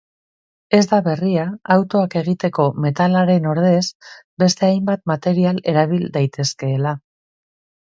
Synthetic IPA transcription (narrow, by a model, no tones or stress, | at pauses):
e̞zd̪aβe̞riaawt̪o̞ake̞ɣit̪e̞ko̞me̞t̪alaɾe̞no̞ɾð̞e̞zbe̞st̪e̞ajmbat̪mat̪e̞ɾiale̞ɾaβ̞ild̪ajt̪e̞ske̞ːla